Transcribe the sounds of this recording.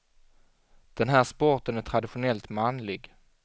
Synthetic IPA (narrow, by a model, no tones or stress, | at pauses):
d̪̥ɛnɦæːʂpɔɾʈ̪ənæʈ̪ʰɾad̪ɪɧʊnɛlt̪manlɪɡ